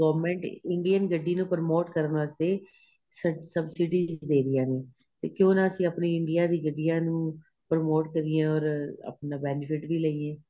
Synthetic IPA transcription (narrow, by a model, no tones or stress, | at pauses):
ɡəːʋɾmɛ̃ːɳʈɪɳɖijənɡəɖːiːnũːpəɾmoːʈkəɾənʋaːst̪eː | səsəbsɪɖiːzd̪eːɾɪjaːneː | t̪eːkjõːnãːəsĩːəpneːɪɳɖɪjaːd̪iːɡəɖːijaːnũː | pəɾmoːʈkəɾiːẽːɔːɾə̰pnãːbɛːnɪfʰɪʈʋiːləiːẽː